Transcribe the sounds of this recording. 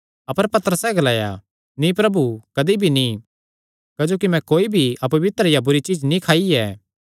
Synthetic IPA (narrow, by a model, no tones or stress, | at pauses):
ɐpəɾpɐt̪əɾəsɛɡɐlaːja̰ | nĩpɾɐbukɐd̪ibʱini | kaːd͡ʒoːk̬imɛ̃koːibʱiɐp̬ɐʋɪt̪əɾjabʊɾit͡ʃiːd͡ʒnĩkʰaːiɛː